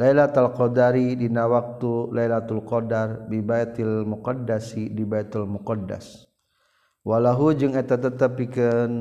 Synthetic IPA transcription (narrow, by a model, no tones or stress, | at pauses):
lailat̪alkɔdaɾidinawak̚t̪ulajlat̪ulqɔdarbibajt̪ilmuqadasidibajt̪ulmukɔdːa̰s | walaɦud͡ʒɨŋɛt̪at̪ət̪əpikən